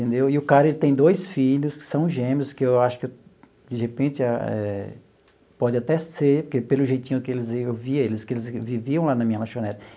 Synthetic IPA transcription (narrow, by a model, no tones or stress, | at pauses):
t̪ẽnd̪ewɪʊkaɾɐelɪt̪ẽj̃d̪ojsfiʎʊskɪ̥sɐ̃w̃ʒẽmiʊskɪewaʃʊ̥ke | d͡ʒɪhepẽt͡ʃɪaɛ̰ | pɔd͡ʒɪat̪ɛseɾpoɾkepelʊʒejt̪ĩɲʊkɪelɪzeewviɐelɪskɪelɪzviviɐ̃w̃lanɐmĩɲɐlaʃõnɛt̪ɐ̥